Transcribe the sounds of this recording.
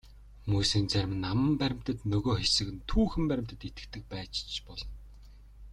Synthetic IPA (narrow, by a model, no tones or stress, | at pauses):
mujsiːnt͡sæɾʲmɘ̆nːamə̆mpæɾʲɪ̆m̥t̪ə̆t̪nɵɣoːxesɘ̆kɘ̆nt̪ʰuːxɘ̆mpæɾɪ̆m̥t̪ə̆t̪it̪ɘ̥̆kt̪ʰɘ̆k̚pæːt͡ɕt͡ɕpɔɮɞ̆n